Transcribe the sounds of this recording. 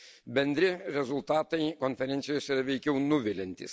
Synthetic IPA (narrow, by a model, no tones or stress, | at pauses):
bʲɛnʲd̪ʲɾʲɪɾʲɛzʊlˠt̪ɑːt̪ɐɪkoːnʲfʲɛɾʲɛnt̪sʲɪjoːsiɾɐʋʲɛɪkʲɛʊnʊʋʲɪlʲɛnʲt̪ʲɪ̰s